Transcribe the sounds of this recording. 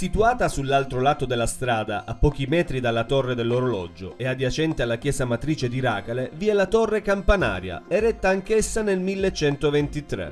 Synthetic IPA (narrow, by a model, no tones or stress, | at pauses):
sit̪uaːt̪asulːalt̪ɾolaːt̪od̪elːast̪ɾaːd̪a̰ʔapːɔːk̟imɛːt̪ɾid̪alːat̪orːed̪elːoɾolɔ̰d͡ʒoʔead̪jat͡ʃɛnt̪ialːak̟jɛːzamat̪ɾiːt͡ʃed̪iɾaːkaleviɛlat̪orːekampana̰ːɾja̰ɛrɛt̪ːaːŋkesːanelmilːet͡ʃːɛnt̪ovɛnt̪it̪ɾḛ